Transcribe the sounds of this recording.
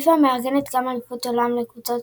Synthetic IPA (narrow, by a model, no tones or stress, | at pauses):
fameaʁɡɛnɛt̪ɡamalepot̪olamlekut͡sot